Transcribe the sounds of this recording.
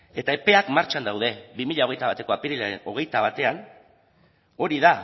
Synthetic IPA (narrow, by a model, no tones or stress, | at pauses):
e̞t̪ae̞pe̞akmaɾt͡ʃand̪awðe̞bimiʎaoe̞jt̪aβ̞at̪e̞ko̞apiɾileeno̞ɣ̞e̞jt̪aβ̞at̪e̞an | o̞ɾið̞a